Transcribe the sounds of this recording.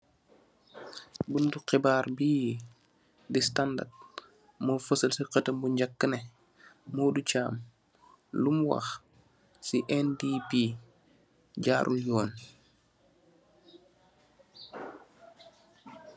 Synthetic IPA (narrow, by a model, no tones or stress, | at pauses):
bunduqɛbaːɾbiji | distanda̰d̚ | mofəsɐlsiqətɐmbuɲɟakːənɛ | moːducaːm | lumwa̰x | siʔɛndipi | ɟaːɾʔṵljɔːn